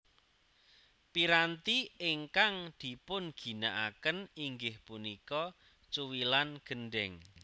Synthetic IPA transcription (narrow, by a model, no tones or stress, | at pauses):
piɾant̪iɪŋkaŋd̪̥i̤pʊnɡ̥i̤naʔakəniŋɡɪhpunikɔ | t͡ʃuwilanɡ̥ə̤nɖɛŋ